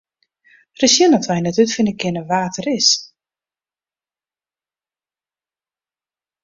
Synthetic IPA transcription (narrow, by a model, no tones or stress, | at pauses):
rəsjənɔtʋɛjnɛtytfɪnəkɪnəʋaːtʰərɪs